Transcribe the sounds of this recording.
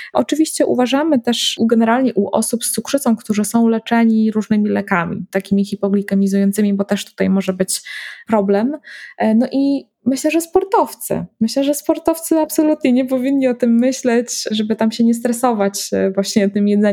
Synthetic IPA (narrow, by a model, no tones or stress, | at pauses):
ʔɔt͡ʂɘvʲiɕt͡ɕɛʔṵvaʐamɘt̪ɛʂɡɛnɛɾalɲɛʔuʔɔ̰supsukʂɘt̪sɔ̃w̃kt̪uʐɘsɔ̃w̃lɛt͡ʂɛɲiɾuʐnɘmʲilɛkamʲḭt̪akʲimʲixʲipɔɡlʲikamʲizujɔnt̪sɘmʲibɔt̪ɛʂt̪u̥t̪ajmɔʐɛbɘt͡ɕpɾɔblɛmnɔʔi | mɘɕlɛʐɛspɔɾt̪ɔft̪sɘ̰mɘɕlɛʐɛspɔɾt̪ɔft̪sɘapsɔlut̪ɲɛɲɛpɔvʲinʲɲiɔt̪ɘmːɘɕlɛt͡ɕʐɛbɘt̪amɕɛɲɛst̪ɾɛsɔvat͡ɕvwaɕɲɛt̪ɘmjɛd̪zɛ